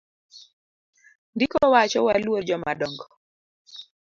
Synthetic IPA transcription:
ndikɔwat͡ʃɔwalwod͡ʒɔma̰dɔŋɡɔ

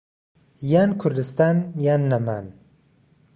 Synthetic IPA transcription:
jankʰuɾd̪ɨst̪anjanːaman

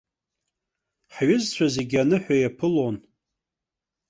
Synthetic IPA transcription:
ħɥʊzt͡sʷʰaze̞ɡʲanɨħʷᶣajapʰɨlon

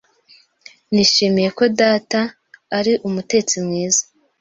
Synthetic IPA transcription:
niʃimije̞ko̞daːtaː | ɾiʔumute̞t͡simŋiːzḁ

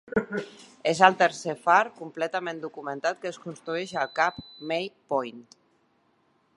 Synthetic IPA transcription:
ezalˠt̪əɾsefaɾkumplɛt̪amẽnd̪ukumə̃nt̪at̪̚kəskunst̪ɾueʃalˠkapmejpɔjnt̪

